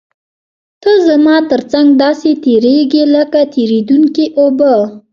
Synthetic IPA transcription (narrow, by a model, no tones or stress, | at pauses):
t̪əzamɑt̪əɾt͡saŋɡd̪ɑset̪eɾeɡiləkat̪eɾed̪unkiʔobə